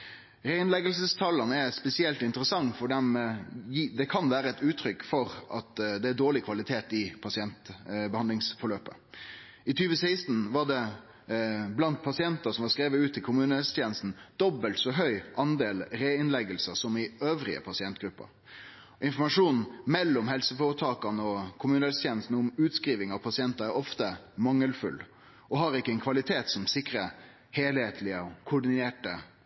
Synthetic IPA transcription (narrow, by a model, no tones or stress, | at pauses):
ɾeːɪnlɛɡəlsəst̪ʰɑlːənəɛspɛsɪɛlt̪ɪnt̪əʁəsɑŋfɔɖ̪ɛmjd̪ɛkʰɑnʋæːɾəɛt̪ʉːt̪ʰɾʏkːfɔɾʔɑt̪d̪ɛæd̪oːɭɪkʰʋɑlɪt̪ʰeːt̪ɪpʰɑsɪɛnt̪bəhɑnd̪ɪŋsfɔɭøːpə | ɪt̪ʰyːʋəsæɪst̪n̩ʋɑʁd̪ɛ | blɑnt̪̚pʰɑsɪɛnt̪əsɔmʋɑʁskɾeːʋəʉːt̪ʰːɪlkʰʊmʉːnəst̪ʰjeːnəst̪n̩d̪̥ɔbːəlt̪sɔɦœʏʔɑnd̪eːlɾeːɪnlɛɡəlsəsɔmɪøːʋɾɪ̰ə̰pʰɑsɪɛnt̪ɡɾʉpːə̰ɾ | ɪnfɔmɑʂuːnmɛlːɔmhɛlsəfoːɾət̪ʰɑːkɑnəɔkʰʊmʉːnəhɛlst̪ʰjeːnəst̪n̩ʊmʉːt̪skʁiːʋɪŋɑʋpʰɑsɪɛnt̪əɾæɾɔft̪əmɑŋːəlfʉ̰l | ʔɔhɑɾɪkːəɛnkʰʋɑlɪt̪ʰeːt̪sɔmsɪkɾə | heːlheːt̪ʰlɪəɔkʰʊɖɪneːʈə